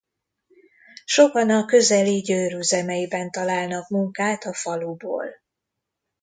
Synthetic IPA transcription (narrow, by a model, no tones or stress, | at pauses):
ʃo̞kɒnɒkø̞zɛliɟøːɾyzɛmɛjibɛnt̪ɒlaːlnɒkmuŋkaːt̪ɒfɒlubo̰ːl